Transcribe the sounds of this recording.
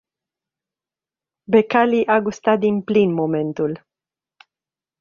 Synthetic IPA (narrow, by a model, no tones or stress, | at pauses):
bekaliʔaɡost̪at̪̚d̪inplinmome̞nt̪ul